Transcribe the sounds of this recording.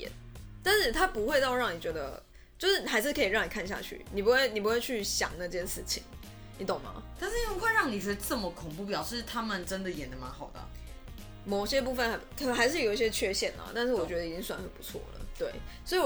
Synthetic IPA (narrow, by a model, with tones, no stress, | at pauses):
ɛ̰˨˦nt̪a˥˧nʂɻ̩˥˩t̪ʰa˦˥pu˧˥xwe˥˧t̪ɑ˥˧ʊɻɑ˥˩ŋni˨˩t͡ɕɥɛ˧˥d̪ə̰˧ | t͡ɕjo˥˧ʊʂɻ̩˥˩xa˧˥ɪʂ̬ɻ̩˥˩kʰɤ˧˥i˨˩ɻɑ˥˩ŋni˨˩kʰa˥˧n˩ɕja̰˧t͡ɕʰy̰˥˩ni˨˩p̬u˧˥xwe˥˩ɪni˨˩pu˧˦xwe˥˧ɪt͡ɕʰy˥˩ɕjɑ̰˨˩ŋna˥˩t͡ɕt͡ɕjɛ˥nʂɻ̩˥˩t͡ɕʰḭ˨˩˦ŋ | ni˨˥t̪o˨˩ŋmɐ̰˧˦t̪a˥˧nʂɻ̩˥ni˨˩pu˧˥xwe˥˧ɪɻɑ˥˩ŋni˨˩˧ʈ͡ʂə˥˩mə˨˩kʰʊ˨˩ŋpu˥˩pjɑ˨˩ʊʂɻ̩˥˩t̪ʰa˦˥mə˨nʈ͡ʂə˦nd̪ə˨jɛ˨˩nd̪ə˦ma˧˦nxɑ˨˩ʊd̪ə̰˨˩ | mo˨˩ʊɕjɛ˦˥p̬u˥˧˩fə˨˩n˧˥ɪt̪ʰxa˧˥ɪʂ̬ɻ̩˥˩jo˨˩ʊi˥˩ɕjɛ˥t͡ɕʰɥɛ˥˧ɕjɛ˥˩nlə̰˨t̪a˥˧nʂ̬ɻ̩˥˩wɔ˨˩t͡ɕɥɛ˧˥d̪ə˧˨i˨t͡ɕi˦˥ŋswa˨˩nxə˨˩pu̥˧˥t͡sʰwɔ̰˥˩lə̰˩t̪we˥˩ɪswɔ˧˥i˨